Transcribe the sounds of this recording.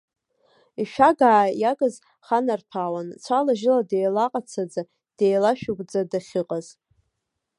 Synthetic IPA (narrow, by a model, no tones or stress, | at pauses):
iʃᶣaɡaʕːjaɡʼɨz | χanarpʰawant͡sʷʰalaʒɪladejlaqʼat͡sʰad͡za | d̥ejlaʃᶣuɡʷʼd͡zadaχʲɨqʼaz